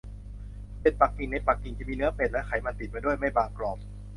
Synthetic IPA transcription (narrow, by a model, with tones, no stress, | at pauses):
pe˨˩t̪̚pa˨˩k̚ʔi˨˩ŋna˧jpa˨˩k̚ːi˨˩ŋt̪i˧˩miː˧nɯ˦˥ɐpe˨˩t̪̚lɛ˦˥kʰa˨˩˦jma˧nt̪i˨˩t̪̚pa˧jdu˥˩əjma˥˩jbaː˧ŋklɔː˨˩p̚